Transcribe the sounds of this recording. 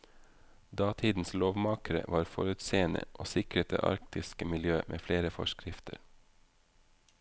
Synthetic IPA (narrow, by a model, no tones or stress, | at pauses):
d̪ɑːt̪ʰiːd̪n̩sloːʋmɑːkəɾə̰ʋɑːɾfɔɾʉt̪seːənə̰ʔoːsɪkɾət̪ʰə̰ʔɑ̰ɾkt̪ɪskəmɪljøːmʔḛːfleːɾəfɔ̰ʃkɾɪft̪ʰə̰ɾ